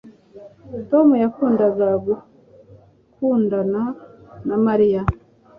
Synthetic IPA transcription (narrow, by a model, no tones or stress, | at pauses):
to̞mujakuːndaɡaɡu | kuːndananamaɾija